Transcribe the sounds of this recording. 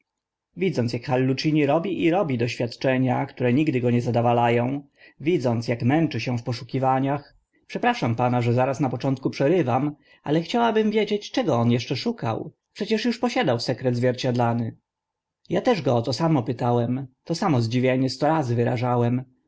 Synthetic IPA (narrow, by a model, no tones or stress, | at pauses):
vʲid̪zɔnt̪jakxalːut͡ʂiɲiɾɔbʲiʔiɾɔbʲid̪ɔɕfʲjat̪t͡ʂɛɲakt̪uɾɛɲiɡd̪ɘɡɔɲɛzad̪avalajɔ̃w̃ | vʲid̪zɔnt̪sjakmɛnt͡ʂɘɕɛ̃fpɔʂukʲivaɲax | pʂɛpɾaʂampanaʐɛzaɾasnapɔt͡ʂɔnt̪̚kupʂɛɾɘvam | ʔa̰lɛxt͡ɕawabɘmvʲjed͡ʑet͡ɕt͡ʂɛɡɔɔnjɛʂt͡ʂɛʂuka̰w | pʂɛt͡ɕɛʂjuʂpɔɕad̪awsɛkɾɛd̪zvʲjɛɾt͡ɕad̪lanɘ | jat̪ɛʐɡɔɔt̪ɔsamɔpɘt̪awɛmt̪ɔsamɔzd͡ʑivʲjeɲɛst̪ɔɾazɘvɘɾa̰ʐawɛm